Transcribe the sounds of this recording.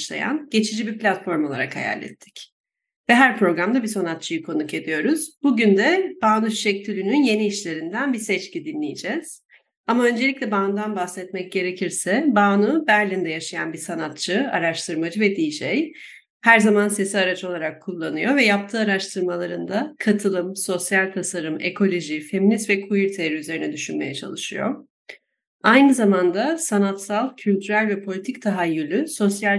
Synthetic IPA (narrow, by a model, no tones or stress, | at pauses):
ʃlˠa̰ja̰nɟ̥e̞t͡ʃʰid͡ʒibipʲlʲat̪fo̞ɾmo̞lˠa̰ɾa̰kha̰ja̰lʲːɛ̰t̪ʰːi̥c | vɛɦæɾpʰɾo̞ɡɾamd̪abisanat̪̚t͡ʃʰɯjɯkʰo̞nuke̞d̪ijo̞ɾuz̥buɟynd̪ɛb̥aːnuy̥ʃɛct̪ʲilʲynynje̞niːʃlʲe̞ɾind̪ænbisɛt͡ʃcid̪inlʲijid͡ʒɛz̥ | amaø̞nd͡ʒelʲiclʲɛbaːnd̪anbahsɛt̪mɛc̚ɟe̞ɾe̞cʰiɾsɛbaːnubæɾlʲind̪ɛjaʃaja̰nbisanat̪̚t͡ʃʰɯa̰ɾaʃt̪ʰɯɾmad͡ʒɯvɛd̪iːʃej | hæɾzamanse̞siaɾat͡ʃʰo̞lˠaɾakʰːulˠːanɯjo̞vɛjap̚t̪ʰɯːaɾaʃt̪ʰɯɾmalˠaɾɯnd̪akʰat̪ʰɯlˠɯmso̞sjalʲt̪ʰasaɾɯmḛkʰo̞lʲo̞ʒife̞minist̪vɛkʰujiɾt̪ʰeɾiyze̞ɾinɛd̪yʃynme̞jɛt͡ʃʰa̰lˠɯʃɯ̰jo̞̰ | ajnɯzamand̪asanat̪salˠcʰylʲt̪ʰyɾælʲvɛpʰo̞lʲit̪ʰic̚t̪ʰaɦajːylʲyso̞sjal